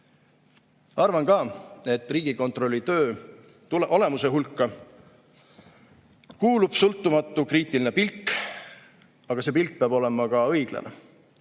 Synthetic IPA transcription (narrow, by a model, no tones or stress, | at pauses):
ɑrvɑnkɑːe̞t̪ːˑriːɡ̥iko̞nt̪ro̞lːit̪ø̞ː | t̪ulʔo̞le̞muse̞ɦulkːˑɑ | kuːlub̥sɤlt̪ˑːumɑt̪ːˑukriːt̪iline̞pilkː | ɑɡ̥ɑse̞ːpilk̚peɑbo̞le̞mɑkɑɤjɡ̥lḛnḛ